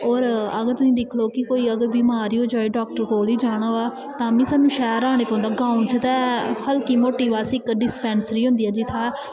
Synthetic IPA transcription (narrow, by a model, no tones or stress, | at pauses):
ɔːɾəɡəɾt̪ʊsĩːd̪ɪkʰloːkɪkoːiːəɡəɾbiːmaːɾiːoːd͡ʒaːeːɖɔːk̚ʈəɾkoːliːd͡ʒaːɽ̃aːʋaː | t̪ãːmĩːsaːnːũːʃɛːəɾaːɽ̃eːpɔ̃ːnd̪aːɡãːũnt͡ʃət̪ɛːhəlkiːmoːʈiːʋaːsɪkɖɪspɛ̃ːnsəɾiːɦʊ̃nd̪iːɛːd͡ʒɪt̪ʰaː